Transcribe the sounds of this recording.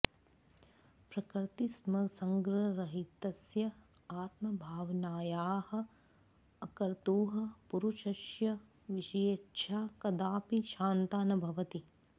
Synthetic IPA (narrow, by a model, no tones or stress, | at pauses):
pɾɐkɾt̪ismɐsɐŋɡɾɐɾɐɦit̪ɐsjɐ | aːt̪mɐbʱaːʋnaːjaːhɐ̆ | ɐkɐɾt̪uːɦɐ̆puɾuʃɐʃjɐ | ʋiʃɐjetːʃʰaːkɐd̪aːpiʃaːnt̪aːnɐbʱɐʋɐt̪i